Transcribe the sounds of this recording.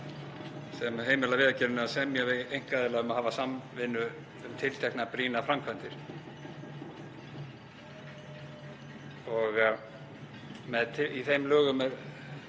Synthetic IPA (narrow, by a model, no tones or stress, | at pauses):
sɛmɦeːjmɪlavɪːðacɛɾʏnasɛmjɛvɪðejŋ̥kaðɪlaːɣʏmaðhɦaːvasamvɪnːʏː | mt̪ʰɪlt̪ʰɛhknapɾiːnafɾamkʰvɛnt̪ɪɾ̥ | ɔɣ | mɛðt̪ʰiθejmlœːɣʏmɛð